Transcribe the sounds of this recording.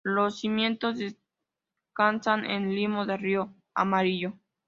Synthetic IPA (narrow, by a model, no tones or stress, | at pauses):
losːimjẽ̞nt̪ozðes | kansanʔḛnlimoðerio | a̰maɾiʝo